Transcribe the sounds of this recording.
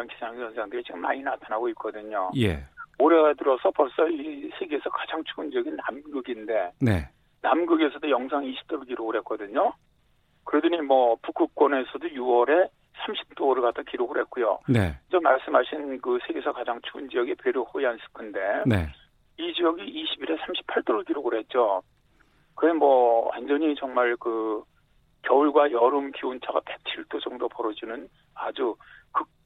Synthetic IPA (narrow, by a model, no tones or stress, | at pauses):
anki̥sʰɦaŋsʰʌnsʰeantet͡ɕik͈ɯma̰ɲinatʰanaɡoik͈ʌdɯɲojḛoɾeɡatɯɾʌsʰʌpʌɭs͈ʌisʰe̞ɡeesʰʌkḁd͡ʑaŋt͡ɕʰuːnd͡ʑiʌɡinːamɡɯɡinde̞ne | namɡɯɡe̞sʰʌdojʌŋsʰaŋiɕʰi̥p̚t͈oɾɯɭkiɾoɡɯɭhe̞t̚k͈ʌdɯɲo | kɯɾedɯɲimʌpuk͈ʰɯk̚k͈wʌne̞sʰʌdojuwʌɾe̞ | sʰamɕʰi̥p̚t͈oɾɯɭkatdʰakiɾoɡɯɭhe̞t̚k͈ujo̰nḛd͡ʑʌmaɭs͈ɯmɦaɕʰinkɯsʰe̞ɡe̞sʰʌkad͡ʑaŋt͡ɕʰuːnd͡ʑijʌɡepeɾohoians͈ʰɯ̥kʰɯnde̞nḛ | id͡ʑijʌɡiʔːɕʰibiɾe̞sʰamɕʰi̥pʰaɭt͈oɾɯɭkiɾoɡɯɾɦe̞t̚t͡ɕ͈o | kɯɾemwʌwa̰nd͡ʑʌɲit͡ɕʌŋmaɭkɯ | kjʌuɭɡwajʌɾɯmkiont͡ɕʰaɡape̞k̚t͡ɕʰiɭt͈od͡ʑʌŋdopʌɾʌd͡ʑinɯn | ad͡ʑukɯ